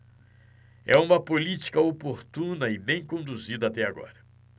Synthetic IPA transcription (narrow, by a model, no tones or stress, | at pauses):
ɛ̰ũmɐpolit͡ʃi̥kɐopoɾt̪ũnɐɪbẽj̃kõnd̪uzid̪ɐat̪ɛaɡɔ̰ɾɐ